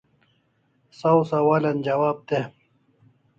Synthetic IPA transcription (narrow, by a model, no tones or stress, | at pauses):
sɐwsɐwaːlɐnd͡ʑɐwaːb̚t̪e